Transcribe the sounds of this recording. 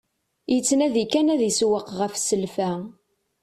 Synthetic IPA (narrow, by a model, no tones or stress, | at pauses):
jət͡sːnæðikænæðiswəqʁəfsəlfæ